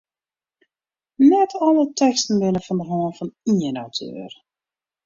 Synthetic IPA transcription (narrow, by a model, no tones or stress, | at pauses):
nɛtʰɔlətʰɛkstn̩ʋɪnəfɔndəɦɔːnfɔniənawtʰø̰ːr